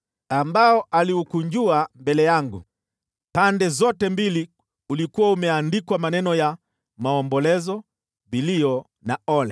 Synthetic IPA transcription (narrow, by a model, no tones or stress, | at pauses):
ambaɔʔaliukuɲd͡ʒuambɛlɛjaŋɡṵ | pandɛzɔtɛmbili | ulikuwaumɛandikwamanɛnɔja | maɔmbɔlɛzɔ | viliɔ | naɔlɛ